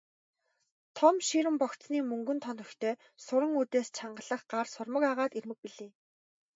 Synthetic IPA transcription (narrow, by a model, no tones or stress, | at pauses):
t̪ʰɔmʃiɾɘ̆mpɔkt͡sniːmɵŋɡɵ̆nt̪ʰɔnɵ̆xt̪ʰeː | sʊɾə̆ŋuːt̪eːst͡ɕʰaɴɢə̆ɮə̆χɢarsʊrmə̆kaʁaːt̪irmɘ̆k̚piɮeː